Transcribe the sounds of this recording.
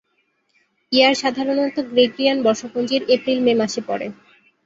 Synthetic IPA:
iaɾʃad̪ʱaɾonɔt̪ːoɡɾeɡɾianbɔɾʃopond͡ʑiɾepɾilmemaʃepɔ̰ɾḛ

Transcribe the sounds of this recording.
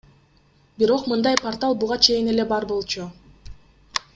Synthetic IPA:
biɾo̞qmɯnd̪ɑjpart̪alˠbuʁɑt͡ʃʰe̞jine̞le̞bɑɾbo̞lˠt͡ʃu

